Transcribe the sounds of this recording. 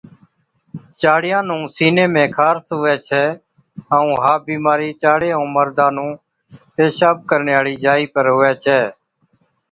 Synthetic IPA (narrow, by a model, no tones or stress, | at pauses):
t͡ʃaːɽɪjãːnũːsiːneːmẽːkʰaːɾsɦʊːɛːt͡ʃʰɛː | əũːɦaːbiːmaːɾiːt͡ʃaːɽeːõːməɾd̪ãːnũː | peːʃaːb̚kəɾɳjaːɽiːd͡ʒaːiːpəɾɦʊːɛːt͡ʃʰɛː